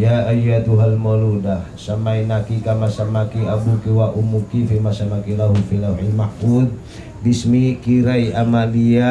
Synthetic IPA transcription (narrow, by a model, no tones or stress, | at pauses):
jaajːat̪uɦalmɔludahsamainakikamasamakiabukiwaʔumukifimasamakilaɦufilawħimaʔfud̪̚ | bismikiɾaiʔamalia